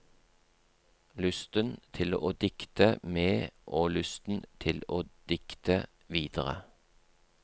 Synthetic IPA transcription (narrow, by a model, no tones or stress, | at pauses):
lʉst̪ənt̪ʰɪloʔoːd̪ɪkt̪əmeːʔoːlʉst̪n̩t̪ʰɪloːd̪̥ɪkt̪ə | ʋiːd̪əʁə̰